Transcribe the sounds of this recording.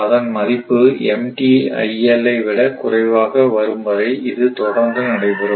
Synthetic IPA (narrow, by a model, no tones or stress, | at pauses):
ɐðɐnmɐðɪpːɯɛmʈiɐ̰ɪɛlɐɪʋɪɽɐkʊrɐɪʋaːɣɐʋɐɾɯmbɐðɐɪɪðɯt̪ɔɽɐŋɡɐnɐɽɐɪpɯɾɯ